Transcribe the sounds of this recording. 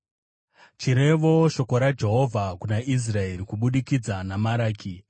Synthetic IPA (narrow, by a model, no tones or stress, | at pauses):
t͡ʃiɾe̞ʋo̞ʃo̞ko̞ɾad͡ʒe̞ɦo̞vʱakunaʔis̬rae̞ɾikuɓuɗikid͡zanamaɾaːkʰi